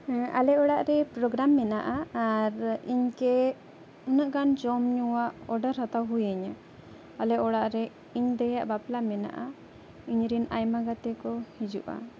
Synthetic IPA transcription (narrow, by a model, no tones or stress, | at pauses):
ʔa̰lɛɔɽaʔɾɛpɾɔɡɾamːɛnaʔaaɾiɲkɛ | unəʔɡand͡ʒɔmɲuwaʔɔɖəɾhat̪awɦujɛɲa | alɛɔɽaʔɾɛ | iɲd̪ɛjaʔbaplamɛna̰ʔa | iɲɾinajmaɡat̪ɛkɔhid͡ʒṵʔa̰